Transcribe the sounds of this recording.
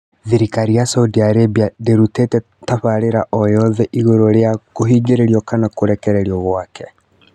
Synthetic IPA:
ðiɾikaɾiasaudiaɾebiadeɾutetɛ | taɸaɾeɾaʔɔjɔðɛʔiɣoɾoɾeakoɦiːɡeɾeɾiɔkanakoɾɛkɛɾɛɾiɔɣwakʰɛ

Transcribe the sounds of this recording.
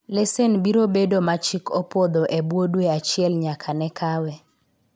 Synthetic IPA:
lɛsɛnbiɾobedomat͡ʃikopod̪oʔebwodweat͡ʃɪɛlɲakʰanɛkʰawɛ

